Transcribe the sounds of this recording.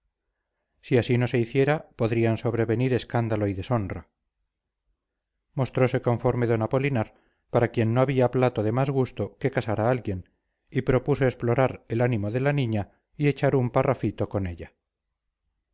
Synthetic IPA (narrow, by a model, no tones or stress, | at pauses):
siasino̞se̞iθje̞ɾapo̞ðɾianso̞βɾe̞βe̞niɾe̞skand̪alo̞iðe̞so̞nra | mo̞st̪ɾo̞se̞kõ̞ɱfo̞ɾme̞ðo̞napo̞linaɾ | paɾakje̞nːoaβiaplat̪oðe̞mazɣust̪o̞ke̞kasaɾaalɣje̞n | ipɾo̞puso̞esplo̞ɾaɾelanimo̞ðe̞lanĩɲa | ie̞t͡ʃaɾumparʔafit̪o̞ko̞ne̞ʎa